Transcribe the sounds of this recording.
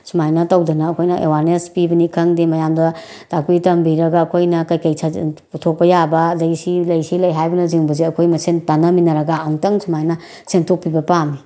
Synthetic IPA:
sumajnɐtɐwdɐnɐːkʰojnɐʔewaɾnespibɐnikʰɐŋdimɐjamdɐ | takitɐmbiɾɐɡɐːkʰojnɐkɐjkɐjsʰaputʰok̚pɐjabɐːdɐɡisilɐjsilɐjɦajbɐnɐziŋbɐzeɐkʰojmɐsentanɐminɐɾɐɡaawŋtɐŋsumajnɐ | sentʰok̚pibɐpami

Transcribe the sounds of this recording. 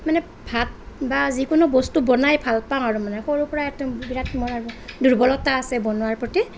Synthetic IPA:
manɛ | bʱat̚ | bazikʊnɔbɔstubɔnajbʱalpãaɹumanɛxoɹupɔɹaɛtubiɹatmɔɹaɹuduɹbɔlɔtaːsɛbɔnʊwaɹpɹɔti

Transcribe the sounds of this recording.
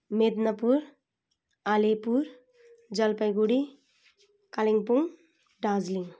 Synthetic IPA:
med̪nɐpuɾ | alepuɾ | d͡ʒɐlpəjɡuɽi | kaliŋpuŋ | ɖaːzliŋ

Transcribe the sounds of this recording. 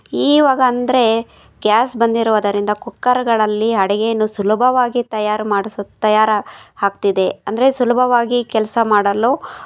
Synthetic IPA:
iːʋaːɡɐːnd̪ɐɾe̞ | ɡʲjaːsbɐnd̪iɾuʋɐd̪ɐɾind̪ɐkukːɐɾɐɡɐɭɐlːiɦɐɽɛɡejɐnːusulɐbʱɐʋaːɡit̪ɐjaːɾmaːɽst̪ɐjaːɾhaːk̚t̪id̪e̞ɐnd̪ɐɾesulɐbʱɐʋaːɡikɛlɐsɐmaːɽɐlu

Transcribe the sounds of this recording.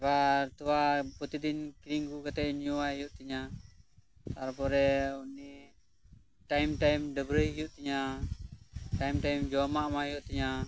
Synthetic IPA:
bat̪uapɔt̪id̪inkiɾiŋɡukat̪ɛɲuaijuʔt̪iɲa | t̪aɾpɔɾɛuni | tajmtajmdəbɾɛijuʔt̪iɲa | tajmtajmd͡ʒɔmamaijuʔt̪iɲa

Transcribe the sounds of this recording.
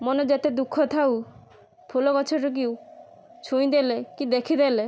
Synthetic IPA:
mɔned͡ʒet̪ed̪ukʰːɔt̪ʰaw | pʰulɔkɔt͡ʃʰɔʈɔk̬iu | t͡ʃʰuĩd̪elekid̪ekʰid̪ele

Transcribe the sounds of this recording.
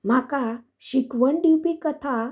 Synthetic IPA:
m̤aka | ɕikʋəɳɖiwpikət̪ʰa

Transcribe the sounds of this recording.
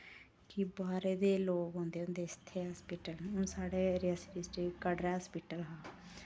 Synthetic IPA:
kibaːɾeːd̪eːloːɡɦõːnd̪eːʊ̃nd̪eːɪst̪ʰːeːɦaːspiːʈəlʊsaːɽeːɾiasɪɾisʈiːkəɽɾɛːspiːʈəlɦaː

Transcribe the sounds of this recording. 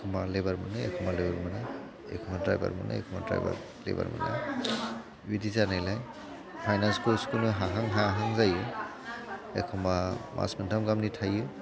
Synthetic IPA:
kʰɔmalebaɾmaneekʰɔmalebaɾmana | ḛkʰɔmadɾa̰jba̰ɾma̰na̰ɛkʰɔma̰dɾa̰jba̰ɾ | lḛba̰ɾma̰na̰ | widizanajlaj | pʰajnanskoskunɯɦaɦaŋɦaɦaŋzajɯ | ekʰɔmamʔa̰smɯntʰamɡamnitʰajɯ

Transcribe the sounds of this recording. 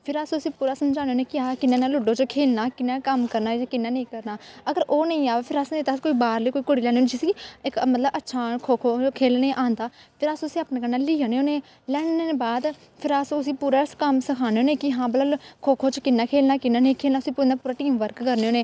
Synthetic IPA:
pʰɪɾasõəsĩːpuːɾaːsəmd͡ʒaːneoːneːkɪaːkɪnːaːnaːlʊɖoːt͡ʃəkʰeːlnaːkɪnːaːkəmkəɾnaːd͡ʒkɪnːaːnəĩːkəɾnaːəɡəɾoːnəĩːaːʋeːpʰɪɾasnẽːt̪askoːiːbaːɾleiːkoːiːkoɽiːlɛːnːoːned͡ʒɪsiːɪkmət̪ləbətːʃʰaːkʰoːkʰoːkʰeːlneːʔãːnd̪aːpʰɪɾaːsəsĩːaːpnaːɡənːaːliːaːneːoːneː | lɛːɽneːbaːd̪ | pʰɪɾassĩːpuːɾaːskəmsəkʰaːneːoːneːkɪɦãːbəlakʰoːkʰoːt͡ʃkɪnːaːkʰeːlnaːkɪnaːnə̃ĩkʰeːlnaːʊsĩːpːnaːpuːɾaːʈiːmʋəɾkkəɾneoːneː

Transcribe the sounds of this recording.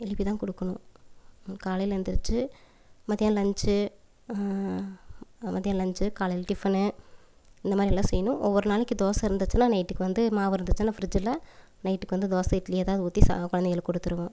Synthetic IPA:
ɛlɪpːit̪ãːkɔɽɯkːɐɳʊ̃ | kaːlɐjɪlɪɾnd̪ɪɾɯt͡ʃːɯ | mɐðɪjãːlɐɲt͡ʃɯ | mɐðjãːlɐɲd͡ʒɯkaːlɐjɪlʈɪfɐnɯ | ɪnd̪ɐmaːd̪ɾiɛlːãːsɛjːɐnʊ̃ʔɔʋːɔɾɯnaːlɯkːɯd̪oːsɐɪɾɯnd̪ɯt͡ʃːɯnːaːnɐɪʈːɯkːɯʋɐnd̪ɯmaːʋɪɾɯnd̪ɯt͡ʃːɯnːaːfɪɾɪd͡ʒɪlːɐ | nɐɪʈːɯkːɯʋɐnd̪ɯd̪oːsɐɪʈːlɐjɛːðaːʋɐðɯʊt̪ːisa̰kʊɻɐnd̪ɛɣɐɭkɔɽɯt̪ːɯɾɯʋõː

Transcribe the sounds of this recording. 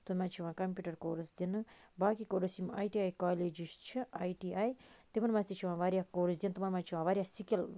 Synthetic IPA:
t̪umãt͡ʃʰiʋãːkɐmpʲuːʈɐɾkoːɾɨsd̪inɨbaːkikoːɾɨsima̰ːjʈiaːjkaːleːd͡ʒiʃt͡ʃʰiaːjʈiaːjt̪imɐnmãst̪it͡ʃʰiʋãːʋaːɾʲjaːkoːɾid͡ʒd̪ʲint̪imɐnmãt͡ʃʰiʋãːʋaːɾʲijasikʲil

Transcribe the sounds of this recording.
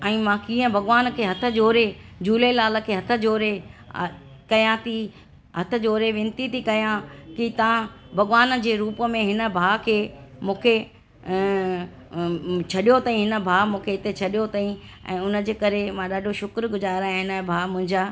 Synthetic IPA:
ɛ̃ːmãːkiːə̃bʱɐɣʋaːnkʰeːɦɐt̪ʰə̆d͡ʑoːɾed͡ʑuːlelaːlə̆kʰeːɦɐt̪ʰə̆d͡ʑoːɾe | kɐjãt̪ʰi | ɦɐt̪ʰə̆d͡ʑoːɾeʋɪ̃nt̪it̪ʰikɐjãkit̪ɐãbʱɐɣʋaːnd͡ʑeːɾuːpəmẽɦɪnə̆bʱaːkʰeːmũːkʰe | t͡ɕʰɐɗijot̪ɐĩɦɪnə̆bʱaːmũːkʰeɪt̪et͡ɕʰɐɗijot̪aĩ | ɛ̰̃ːʊnə̆d͡ʑeːkɐɾemãɗaːɖʱoʃʊkɾɡʊzaːɾaaːɦɪnãːbʱaːmʊ̃ɦɪ̃ɲd͡ʑaː

